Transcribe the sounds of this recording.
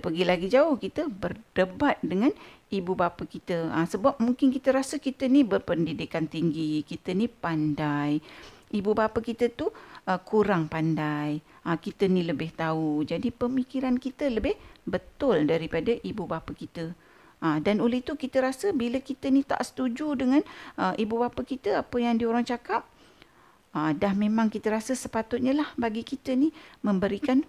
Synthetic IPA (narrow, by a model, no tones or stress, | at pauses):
pəɡilaɡid͡ʒaʊhkit̪əbərdəbat̪̚dəŋãnibubapakit̪əəsəbap̚muŋkɪnkit̪əɾasəkit̪ənibərpəndidikant̪iŋɡikit̪ənipandajibubapakit̪ət̪uʔəkuɾaŋpandaj | əkit̪əniləbɪht̪aud͡ʒadipəmikiɾankit̪ələbɪhbət̪ʊldaɾipadaʔibubapakit̪ə | ədanoləhit̪ukit̪əɾasəbiləkit̪ənit̪a̰ʔsə̥t̪ud͡ʒudəŋanʔəʔibubapəkit̪əapəjaŋdioɾaŋt͡ʃakap̚ | ədahmẽmãŋkit̪əɾasəsəpat̪ʊt̪̚ɲalahbaɡikit̪ənimə̃mbəɾikan